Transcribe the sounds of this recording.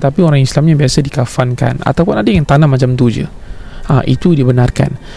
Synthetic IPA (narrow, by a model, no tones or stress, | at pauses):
t̪apioɾaŋislamɲabiasədikafanka̰na̰t̪awpʊnadajaŋt̪anamːat͡ʃamt̪ud͡ʒə̰ | a̰ʔit̪udibənarka̰n